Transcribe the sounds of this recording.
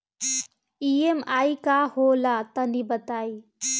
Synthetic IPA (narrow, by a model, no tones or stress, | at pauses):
iemaːikaːholaːt̪ənibət̪aːi